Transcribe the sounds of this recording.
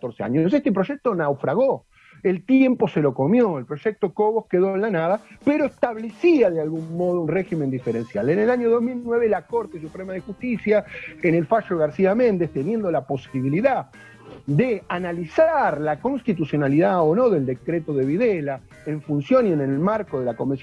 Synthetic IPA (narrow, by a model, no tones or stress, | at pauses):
t̪oɾsea̰ɲos̬est̪e̞p̬ɾo̞ʒek̚t̪o̞nawfɾaɣo | e̞lt̪je̞mpo̞selo̞ko̞mjo̞elpɾo̞ʒ̥ek̚t̪o̞koβohke̞ðo̞enlanað̞apeɾoest̪aβle̞siaðealɣumːo̞ð̞ounreximend̪ifeɾe̞nsjalenelaɲo̞ðoɦmilnwe̞βe̞lako̞ɾt̪es̬upɾemaðe̞xust̪isjaenelfaʃoɣaɾsiamẽ̞nd̪est̪e̞nje̞nd̪o̞lapo̞siβiliða | d̪eanalisaɾlako̞nst̪it̪usjo̞naliðaono̞ðe̞ld̪e̞kɾet̪o̞ðe̞βiðela | eɱfunsjo̞nie̞nelmaɾkoðe̞lako̞mens